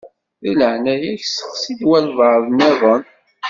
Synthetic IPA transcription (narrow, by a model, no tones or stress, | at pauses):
θiləʕnæjæçsə̥qsid̪wælvəʕðˤnæðˤən